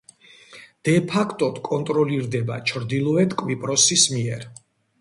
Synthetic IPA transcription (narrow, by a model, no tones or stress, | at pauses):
d̪̥ɛpʰakʰt̪ʼɔd̪̥kʼɔnt̪ʼɾɔliɾd̪ɛba̰t͡ʃʰɾd̪ilˠɔɛt̪kʼwvipʼɾɔsismiɛɾ